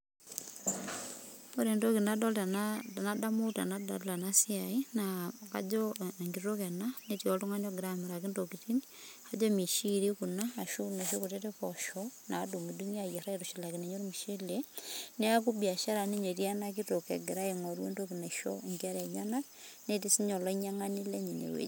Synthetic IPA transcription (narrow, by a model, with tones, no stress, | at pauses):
mo˦ɾe˨ndo˦kina˦do˦lanada˦muta̰˨nada̰˨la˨nasiainaka̰˦d͡ʒoŋɡiɾɾo˦ke˨naneto˨to˦ŋa˦ɲo˦ɡeɾameɾa˨kendokiti˦ni | ad͡ʒo˦mi˨ʃiɾiku˨naː˨ʃo˦na˨ʃo˦ku˨te˦te˦koʃɔna˨du˨mi˨duŋi˦a˦je˨ɾa˦etoʃila˨kine˨ɲo˦ɾo˦mi˨ʃe˦le˦ne˦a˦kubia˨ʃa˦ɾa˨ne˦ɲo˨ɾja˦na˦k̬i˦to˨kḛ˨ɡeɾa˦e˨ŋo˨ɾwo˦ndokina˨ʃo̰eŋɡa˦ɾɲa˦na˦ | ne˦ti˦si˦ɲo˨la˦i˦ɲa˦ŋa˦ni˦le˦ɲi˨nḛwḛ˨˦